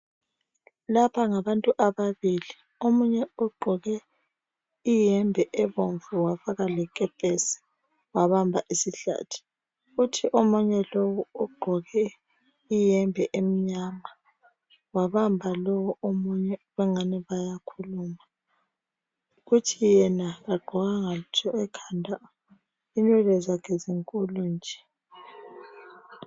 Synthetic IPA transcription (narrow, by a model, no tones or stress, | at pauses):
lapʰaŋaβantʼuʔaβaβili | omuɲɛuɡ͡ǃʱɔɣɛ | ijɛmbʱɛʔɛβoɱvuwafaɣalɛkʼɛpʼɛsi̥ | waβambʱaʔisiɬa̰ːtʰi̥ | utʰiʔomuɲɛlowuuɡ͡ǃʱɔɣɛ | ijɛmbʱɛʔem̩ɲama | waβambʱalowɔomuɲɛβɛŋanɛβajakʰuluːma | ɣutʰijɛnaɣaɡ͡ǃʱɔɣaŋatʰɔɛkʰandʱa | inwɛlɛzakʰɛziŋkʼulɔnd͡ʒʱɛ̥